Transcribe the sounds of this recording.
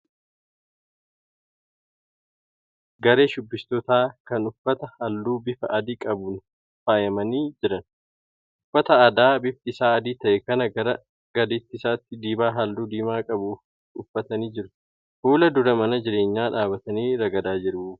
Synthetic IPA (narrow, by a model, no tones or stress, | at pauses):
ɡɐɾe̞ːʃʊbːɪst̪ɔt̪aːkɐnʊfːɐt̪ɐhɐld̪uːbɪfɐʔɐd̪iːkʼɐbʊn | faːjɐmɐniːd͡ʒɪɾɐn | ʔʊfːɐt̪ɐɐd̪aːbɪfɪsaːɐd̪iːt̪ɐʔɛkɐnɐɡɐɾɐ | ɡ̥ɐd̪ɪt̪ːɪsaːt̪ːɪd̪iːbaːɦɐld̪uːd̪iːmaːkʼɐbʊ | ʊfːɐt̪ɐniːd͡ʒɪɾʊ̥ | fuːlɐd̪ʊɾɐmɐnɐd͡ʒɪɾe̞ːɲːaːᶑaːbɐt̪ɐniːɾɐɡɐd̪aːd͡ʒɪɾ